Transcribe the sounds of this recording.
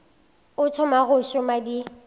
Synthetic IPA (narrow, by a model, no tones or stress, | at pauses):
ʊtʰʊmaɣʊʃʊmadi